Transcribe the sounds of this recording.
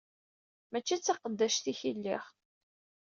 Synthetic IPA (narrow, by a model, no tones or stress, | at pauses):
mæt͡ʃːit͡sːɑqəd̪ːæʃt̪içilːiχ